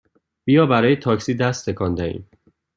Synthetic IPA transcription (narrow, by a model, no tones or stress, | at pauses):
b̥ijɒːbæɾɒːjet̪ʰɒːcsiːd̪æst̪ʰekʰɒnd̪æʔḭːm